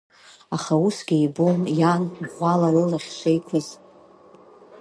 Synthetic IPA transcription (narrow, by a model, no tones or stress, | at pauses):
aχausɡʲiibonjanʁʷalarɨlaχʲʃʷejkʷʰɨz